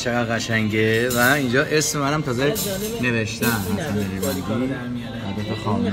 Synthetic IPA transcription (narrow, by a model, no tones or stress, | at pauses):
t͡ʃʰeɣæd̪ɣæʃæŋɟevæind͡ʒɒːʔesmemænæmt̪ʰɒːze | ne̞veʃt̪ænhæsineɾibæɾd̪in | hæd̪æt̪ʰexɒːm